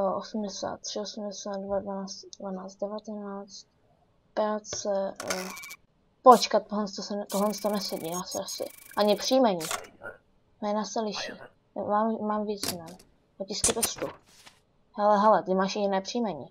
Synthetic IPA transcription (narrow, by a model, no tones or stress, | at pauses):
ʔosum̩dɛsa̰ːt̪ːr̝̥ɪosumdɛsaːt̪̚dvadvanaːt͡st̪dvanaːt͡st̪dɛvat̪ɛnaːt͡st̪̚ | pɾaːt̪t͡sɛ | pot͡ʃkat̪̚ːoɦlɛnt͡st̪osɛnt̪oɦlɛnt͡st̪onɛsɛɟiːnaːsʔasɪ̰ʔaɲɪpr̥iːmɛɲiː | nɛnaːssɛlɪʃḭː | maːmmaːmvjɛt͡snɛn | lɛcɪskɪt̪ost̪u | hɛlɛɦɛlɛt̪ɪmaːʃjɪnɛːpr̥iːmɛɲiː